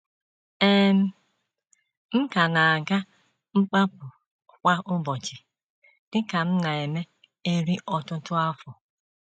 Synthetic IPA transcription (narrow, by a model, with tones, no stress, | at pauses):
e˦m̩˦ | m̩˦ka˨na˨a˨ɡa˦ | ŋ͡m̩˦k͡pa˦pʊ˨ | kʷa˦ʔʊ˦bɔ˨t͡ʃɪ˨ | d̥ɪ˦ka˨m̩˦na˨e˨me˦ | e˦ɾi˦ʔɔ˦tʊ˦tʊ˦a˦fɔ˨